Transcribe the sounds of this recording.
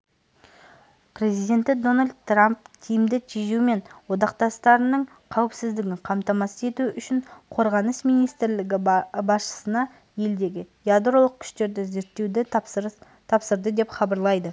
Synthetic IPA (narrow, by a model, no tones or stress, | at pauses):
pɾe̞zijd̪ʲe̞nt̪ɪd̪o̞nalʲd̪t̪ːramp̚k̪ʲʰijɪmd̪ɪt̪ʲʰeʒume̞nwo̞d̪ɑqt̪ɑst̪ɑɾənəɴ | qʰɑwɪpsɪzd̪ɪɡʲɪɴqʰɑmt̪ɑmɑsəe̞t̪uʏʃɪɴqʰo̞ɾʁɑnəsmijnijst̪ɾlɪɡʲɪbɑsʃə̥sənɑ | je̞ld̪e̞ɡʲɪ | jad̪ɾo̞lˠəq̚kʲʰʏ̥ʃt̪e̞ɾd̪ɪze̞ɾt̪ːe̞wd̪ɪ | t̪ʰɑpsəɾd̪əd̪e̞pχɑbɑɾlˠɑjd̪ə